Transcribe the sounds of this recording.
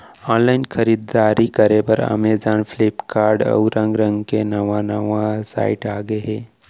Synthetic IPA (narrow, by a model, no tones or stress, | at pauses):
ɔːnlaːɪnkʰəɾiːd̪aːɾikɐɾepɐɾa̰ːmed͡ʒaːnfʰlɪpkaːɾɖə̰wɾə̃ŋɡɾə̃ŋɡkenɐʋanɐʋãsa̰ːɪʈaːɡeɦɛː